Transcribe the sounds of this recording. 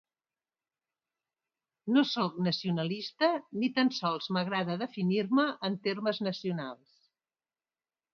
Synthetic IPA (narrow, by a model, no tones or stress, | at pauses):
nosoknəsiunəlist̪ənit̪ənsɔlˠzməɣɾaðəðəfiniɾməʔːnt̪erməznəsiunalˠs